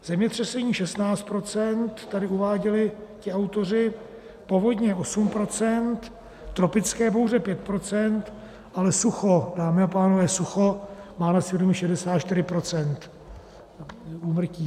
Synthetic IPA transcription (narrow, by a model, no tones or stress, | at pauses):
z̥ɛmɲɛt̪r̝̥ɛsɛɲiːʃɛst̪naːt͡st̪pɾo̞t͡sɛnt̪ːadɪuvaːɟɛlɪcɪawt̪o̞r̝ɪ | po̞vo̞d̪ɲɛʔo̞sumpɾo̞t͡sɛnt̪ː | ɾo̞pɪt͡skɛːp̬ohuzɛpjɛt̪̚pɾot͡sɛnt̪ | ʔalɛsuxo̞daːmɪapaːnovɛːsuxo̞maːnasɛdumɪʃɛdɛsaːt̪t͡ʃt̪ɪɾɪpɾo̞t͡sɛnt̪ | uːmr̩ciː